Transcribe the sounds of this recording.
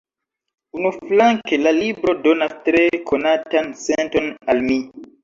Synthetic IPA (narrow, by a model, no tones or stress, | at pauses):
unuflaŋkelalibɾodonastɾekʰonatansentonalmi